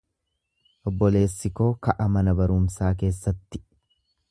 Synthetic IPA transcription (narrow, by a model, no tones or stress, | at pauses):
ʔɔbːɔle̞ːsːɪko̞ːkɐʔɐmɐnɐbɐɾʊmsaːk̬e̞ːsːɐt̪ːɪ̥